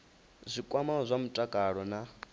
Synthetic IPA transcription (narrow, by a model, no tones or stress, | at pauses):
zʷikʼwamaɔzʷamutʼakʼaɺɔna